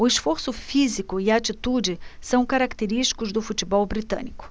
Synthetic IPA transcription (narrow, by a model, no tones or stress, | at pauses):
ʊɪsfoɾsʊfizikʊɪaːt͡ʃit̪ud͡ʒɪsɐ̃w̃kaɾakt̪eɾiʃt͡ʃi̥kʊzd̪ʊfut͡ʃibɔwbɾit̪ɐ̰̃nikʊ̥